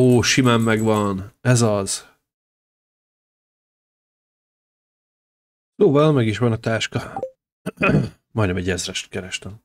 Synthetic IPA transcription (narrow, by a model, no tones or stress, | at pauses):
oːʃimaːmːɛɡʋɒnɛzɒz̥ | soːvɒlmɛɡiʃʋɒnɒt̪aːʃkɒ | mɒjd̪ɛmɛɟɛzrɛʃt̪kɛɾɛʃt̪ɛm